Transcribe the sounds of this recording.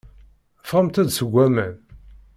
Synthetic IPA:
fʁəmt̪æd̪səɡʷːæmæn

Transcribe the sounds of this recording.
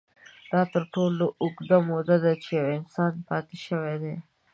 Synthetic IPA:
d̪̥ɑt̪əɾʈoloʔʊɡd̪amod̪ad̪at͡ʃejawɪnsɑnpɑt̪eʃəwed̪e

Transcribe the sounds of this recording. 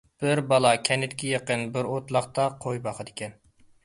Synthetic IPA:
b̥ɪɾbɑlˠɑkʲʰɛnɪt̪kʲʰɛjəqənbɪɾot̪lˠɑχt̪ɑqʰojbɑχəd̪ɪkʲʰɛn

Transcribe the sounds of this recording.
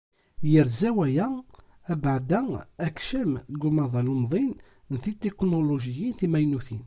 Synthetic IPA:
jəɾzæwæjæ | æbʕd̪æækʃəmɡʊmɑðˤɑlʊmðˤin | nθit̪ːeknoloʒijinθimæjnuθin

